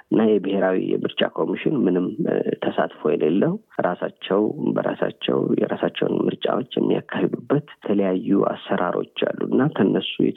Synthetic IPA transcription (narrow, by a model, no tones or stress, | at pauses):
ɨnːajɛbɨheɾawijɛ̰mɨɾt͡ʃʼakʰo̞miʃɪnmɨnɨmt̪ʰəsat̪fojɛlelːəhuɾasat͡ʃːɛwbəɾasat͡ʃːɛ̰wjɛɾasat͡ʃːɛwnmɨɾt͡ʃʼawo̞t͡ʃːjɛmːija̰kʰːahed̪ubːət̪t̪ʰələjajːuasːəɾʔaɾo̞t͡ʃːalːunːakʰənːəsujɛ